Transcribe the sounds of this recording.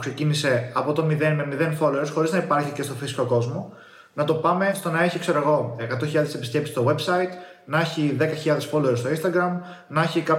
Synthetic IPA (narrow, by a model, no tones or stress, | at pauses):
kse̞cinise̞ɐpo̞t̪o̞miðenmemiðe̞nfo̞leɾosxo̞ɾiznɐipɐɾçice̞st̪o̞fisi̥ko̞ko̞zmo̞ | nɐt̪o̞pɐme̞st̪o̞nɐe̞çikse̞ɾoɣo̞ekɐt̪oçiʎɐðese̞pisce̞pisi̥st̪o̞we̞bsɐit̪ | nɐçiðe̞kɐçiʎɐðe̞sfo̞leɾost̪o̞inst̪ɐɡɾɐm | nɐçikɐp